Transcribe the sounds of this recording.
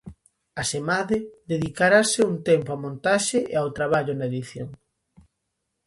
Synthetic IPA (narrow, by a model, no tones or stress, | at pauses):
asemaðɪd̪eðikaɾasɪunt̪empoamõnt̪aʃeʔḛawt̪ɾaβaʎʊnaeðiθjoŋ